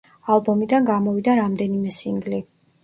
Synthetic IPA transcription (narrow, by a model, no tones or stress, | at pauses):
alˠbɔmid̪anɡamɔvid̪aɾamd̪ɛnimɛsiŋɡli